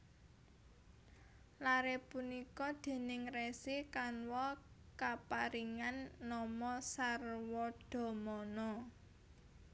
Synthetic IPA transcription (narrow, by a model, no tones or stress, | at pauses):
laɾepunikɔd̪̥e̤nɪŋresikanwɔ | kapaɾiŋanːɔmɔsarwɔɖ̥ɔ̤mɔnɔ